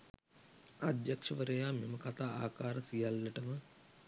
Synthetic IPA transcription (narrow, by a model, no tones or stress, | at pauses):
ad̪jakʂəʋəɾəjaːmeməkat̪aːaːkaːɾəsijalːɐʈəmə